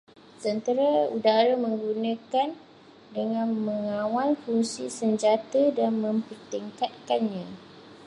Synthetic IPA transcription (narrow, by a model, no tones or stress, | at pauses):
sənt̪əɾaudaɾamə̃ŋɡunãkan | dəŋãnməŋãwanfuŋsisəɲd͡ʒat̪adanmə̃mpərt̪iŋkat̪̚kanɲã